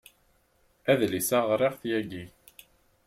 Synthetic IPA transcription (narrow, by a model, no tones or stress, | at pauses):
æðlisæʁɾˤeʁθjæɡi